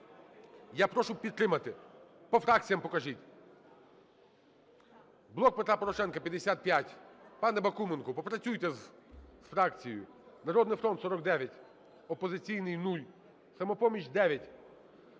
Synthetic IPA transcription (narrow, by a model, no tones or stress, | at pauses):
japɾɔʃʊpʲid̪t̪ːɾɪmɐt̪ɪ | pɔfɾɑk̚t͡sʲijɐmpɔkɐʒitʲ | blˠɔk̚pet̪ɾapɔɾɔʃɛnkɐpʲjɐd̪esʲat̪̚pʲjatʲpɑnɛbɐkumenkʊpɔpɾɐt͡sʲujt̪ɛsfɾɑkt͡sʲijjʊ | nɐɾɔd̪nɪjfɾɔnt̪sɔɾɔɡd̪ɛʋʲjɐtʲ | ɔpɔzɪt͡sʲijnɪjnulʲ | sɐmɔpɔmʲit͡ʃd̪ɛʋʲjɐtʲ